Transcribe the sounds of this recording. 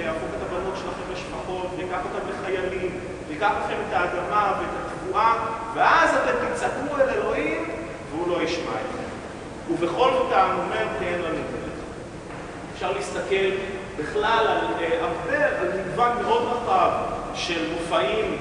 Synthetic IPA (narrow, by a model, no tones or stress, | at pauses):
afoket̪abanot̪ʃelaχemeʃpaχo̞tvikaχot̪ambeχajalim | dikaχlaχe̞me̞t̪aːdamaveet̪at̪vuaveazat̪emt̪it͡sakuele̞lo̞him | veulo̞jiʃmaetḛm | uveχo̞lotamomeʁteenlanuteleχ | efʃaʁliist̪ake̞l | biχlalalleavdeavalnidvakmeo̞d̪ʁaχavʃelmofaim